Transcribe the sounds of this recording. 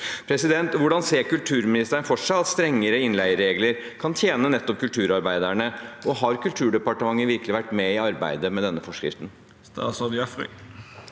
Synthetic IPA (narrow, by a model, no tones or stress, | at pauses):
pʰɾɛsɪd̪ɛnt̪ʋʊɖɑnseːɾkʉlt̪ʰʉːɾmɪnɪst̪əəɳfɔʂɑɑt̪st̪ɾɛŋːəɾəɪnlæɪəɾːeːɡləɾ | kʰɑnt̪ʰjeːnənɛt̪ːɔp̚kʉlt̪ʰʉːɾɑɾbæɪd̪æɳəɔɦɑɾkʰʉlt̪ʰʉːɖɛpɑʈəmɑŋːəʋɪɾkəlɪʋæʈːmɛɪɑɾbæ̰ɪd̪əmɛd̪ɛnːəfɔʂkɾɪ̰ft̪n | st̪ɑ̰ːsɔd̪ɑfʁɛ̰